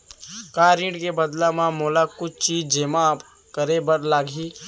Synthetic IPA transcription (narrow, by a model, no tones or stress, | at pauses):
kaːɾĩʈkebəd̪lamãmoːlakʊt͡ʃʰt͡ʃiːd͡ʒd͡ʒeːmap | kəɾebəɽlaːɡʱi